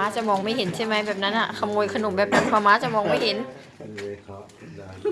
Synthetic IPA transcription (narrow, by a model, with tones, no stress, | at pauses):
aː˦˥t͡ɕa˨˧˩mɔː˧ŋma˥˩jɦe˩˦nt͡ɕʰa˥˩jma˦˥bɛː˨˩p̚na˦˥nʔa˨˩kʰa˧mŋoː˧jkʰa˧no˨˩p̚bɛː˨˩p̚na˦˥npʰaː˨˩˦maː˦˥t͡ɕa˨˩˨mɔː˧ŋma˥˩jɦe˩˦n